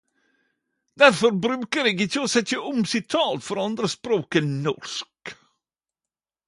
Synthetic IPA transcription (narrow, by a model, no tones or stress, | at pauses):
d̪æɾfɔɾbɾʉːkəɾeːɡɪçəɔsɛtːəʔʊmsɪt̪ʰɑːlt̪fɔɾɑnd̪ɾəspɾoːkənːɔ̰ʂk